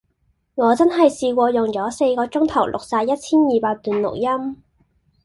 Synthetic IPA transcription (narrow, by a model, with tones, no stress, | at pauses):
ŋɔː˨˧t͡sɐ˥nɦɐ˨jsiː˧kʷɔː˧jʊ˨˩ŋt͡sɔː˨˥se˧jkɔː˧t͡sʊ˥ŋt̪ʰɐ˨˩wlʔʊ̰˨k̚saː˧jɐ˥t̚t͡sʰiː˥njiː˨˧paː˧k̚t̪yː˨nlʊ̰˨k̚jɐ˥m